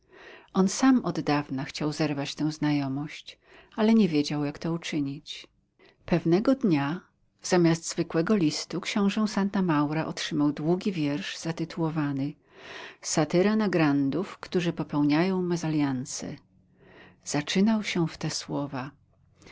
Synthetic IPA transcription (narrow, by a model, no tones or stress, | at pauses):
ʔɔnsamɔd̪ːavnaxt͡ɕawzɛɾvat͡ɕt̪ɛ̃w̃znajɔmɔɕt͡ɕ | alɛɲɛvʲjed͡ʑawjakt̪ɔut͡ʂɘɲit͡ɕ | pɛvnɛɡɔd̪ɲa | z̥amʲjasd̪zvɘkwɛɡɔlʲist̪ukɕɔ̃w̃ʐɛ̃w̃sant̪amawɾaʔɔtʂɘmawd̪wuɡʲivʲjɛɾʐz̥at̪ɘt̪ʰuwɔvanɘ | sat̪ɘɾanaɡɾand̪ufkt̪uʐɘpɔpɛwɲajɔ̃w̃mɛzalʲjansɛ̰ | z̥at͡ʂɘnawɕɛft̪ɛswɔva